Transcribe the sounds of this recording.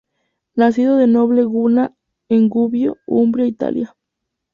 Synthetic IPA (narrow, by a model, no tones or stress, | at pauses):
nas̬iðoðeno̞βleɣuna | eŋɡuβjoumbɾjait̪a̰lja